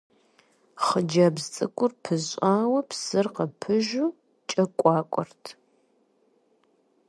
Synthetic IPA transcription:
χəd͡ʒɐbzt͡sʼɨkʷʼʊrpʰɨzʼaːwɐpsɨrqɐpʰɨʒu | t͡ʃʼɐkʷʼɑːkʷʼɔrtʰ

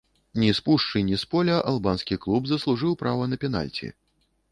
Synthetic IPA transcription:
nʲispuʂt͡ʂɨnʲispɔlʲɐʔɐlˠbanskʲiklˠubzɐslˠuʐɨwpɾavɐnɐpʲɛna̰lʲt͡sʲḭ

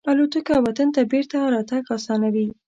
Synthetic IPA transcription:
alot̪əkawat̪ant̪abeɾt̪aɾɑt̪aɡasɑnawi

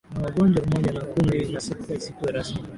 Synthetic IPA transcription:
nawaɠɔnd͡ʒwamamɔʄanakuminasɛkkaisikuɛɾasmi

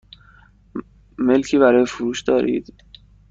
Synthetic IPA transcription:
me̞lcʰiːbæɾɒːjefoɾuːʃd̪ɒːɾḭːd̪

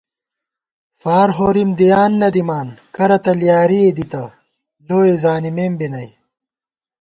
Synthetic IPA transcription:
faːɾɦoːɾimd̪ijaːnːɐd̪imaːnkɐɾɐt̪ɐljaːɾied̪it̪ɐ | loːezaːnimeːmbinɐj

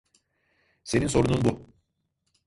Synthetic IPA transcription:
se̞ninso̞ɾununbu

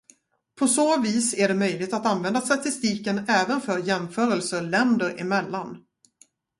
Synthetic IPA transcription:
pʰɔsoːviːsæɖɛmœjlɪɡt̪at̪anvɛnd̪ast̪at̪ɪst̪iːkənɛːvənfœɾjɛmfœːɾəlsəɭɛnd̪əɾɪ̰mɛlːan

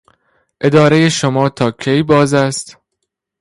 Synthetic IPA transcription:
ʔe̞d̪ɒːɾejeʃomɒːt̪ʰɒːkʰejbɒːzæst̪

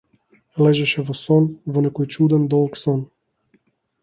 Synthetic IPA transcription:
lɛʒɛʃɛvɔsɔnvɔnɛkɔjt͡ʃud̪ɛnd̪ɔlˠksɔn

